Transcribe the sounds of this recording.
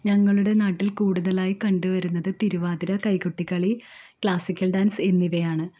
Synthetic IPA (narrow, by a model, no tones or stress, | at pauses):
ɲɐŋːɐɭuɽe̞naːʈːilkuːɽuðɐlaːjikɐɳɖuʋɐɾunːɐðɨt̪iɾuʋaːðiɾɐkɐjkuʈːikːɐɭikɭaːsikʲːɐlɖaːnse̞nːiʋɐjaːɳɨ